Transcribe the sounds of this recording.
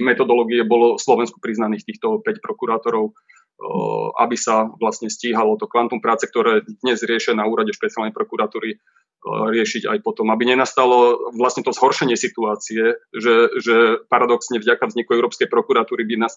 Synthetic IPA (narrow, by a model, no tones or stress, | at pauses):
mɛt̪ɔd̪ɔlɔːɡiɛbɔlɔslɔʋɛnsku̥pɾiznaniːxt̪iːxt̪ɔpɛcpɾɔkuɾaːt̪ɔɾɔʊ | a̰bisaʋlasɲɛsciːɦalɔt̪ɔkʋant̪ɔmpɾaːt͡sɛk̚t̪ɔɾɛːd̪ɲɛzɾɪɛʃɪanauːɾaɟɛʃpɛt͡sɪalnɛɪjpɾɔkuɾat̪uːɾi | ɾɪɛʃiɟa̰jpɔt̪ɔmabiɲɛnast̪alɔʋlast̪ɲɛt̪ɔzɦɔɾʃɛɲɪɛsit̪uaːt͡siɛʒɛʒɛpaɾad̪ɔksɲɛvɟakavzɲikuɛʊɾɔːpskɛjpɾɔkuɾat̪uːɾibinas